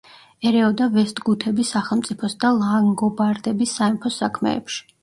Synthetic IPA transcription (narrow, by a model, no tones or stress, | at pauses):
ɛɾɛɔd̪avɛst̪ʼɡut̪ʰɛbisaχɛlˠmt̪sʼipʰɔsd̪alˠaŋɡɔbaɾd̪ɛbisːaɛmpʰɔsakʰmɛ̰ːpʃi̥